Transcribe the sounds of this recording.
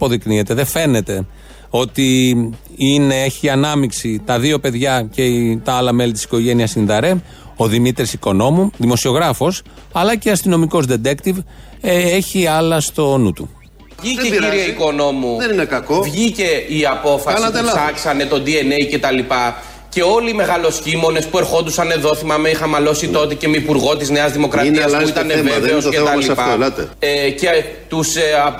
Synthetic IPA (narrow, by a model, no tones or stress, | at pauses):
po̞ðiknie̞t̪e̞ðe̞fe̞ne̞t̪e̞ | o̞t̪i | ine̞eçiɐnɐmiksit̪ɐðio̞pe̞ðʝɐce̞t̪ɐɐlɐme̞lit̪i̥si̥ko̞ʝe̞niɐsinðɐɾe̞ | o̞ðimit̪ɾisiko̞no̞muðimo̞sio̞ɣɾɐfo̞s | ɐlɐceɐst̪ino̞miko̞zd̪e̞d̪e̞kt̪iv | e̞çiɐlɐst̪o̞nut̪u | ʝieiɾieiko̞no̞muðeninekɐkovʝice̞iɐpo̞fɐst̪sɐksɐne̞t̪o̞d̪ie̞nejce̞t̪ɐlipɐ | ce̞o̞liːme̞ɣɐlo̞sçimo̞ne̞spue̞ɾxo̞nd̪usɐne̞ðo̞θimɐmeixɐmɐlo̞sit̪o̞t̪ece̞meipuɾɣo̞t̪izne̞ɐzðimo̞kɾɐɐssuit̪ɐneveðeoscet̪ɐlipɐlɐt̪ece | t̪us